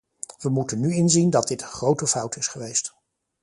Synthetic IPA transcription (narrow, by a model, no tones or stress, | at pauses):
ʋəmutənːyɪnzindɑd̚dɪtəχrowtəfʌwtɪsχəʋejst